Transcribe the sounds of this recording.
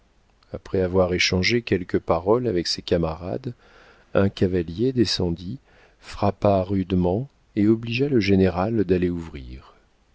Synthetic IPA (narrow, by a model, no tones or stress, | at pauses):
apχɛavwaʁeʃɑ̃ʒekʲɛlkəpaʁɔlavɛksekamaʁa̰d̪ | ɛ̃kʲavaljed̪esɑ̃d̪i | fχapaʁyd̪mɑ̃ | eɔbliʒaləʒeneʁald̪aleuvʁiːʁ